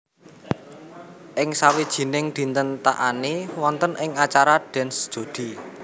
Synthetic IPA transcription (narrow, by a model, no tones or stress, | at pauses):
ʔɪŋsawid̥ʒ̥i̤nɪŋd̪̥i̤nt̪ənt̪a̰ʔanewɔnt̪ənʔɪŋat͡ʃaɾaɖ̥ɛ̤nsd̥ʒ̥o̤d̪̥i̤